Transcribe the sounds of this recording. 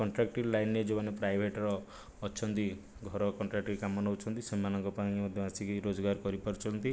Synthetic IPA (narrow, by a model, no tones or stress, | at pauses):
kɔɳʈɾak̚ʈiɾlajnːed͡ʒobanepɾajbʱeʈɾɔː | t͡ʃʰɔnt̪i | ɡʱɔɾɔkɔɳʈɾak̚ʈiɾkamɔnɔut͡ʃʰɔnt̪isemanɔŋkɔpaĩmɔd̪ʱjɔasikiɾod͡ʒɔɡaɾkɔɾipɔɾt͡ʃʰɔnt̪i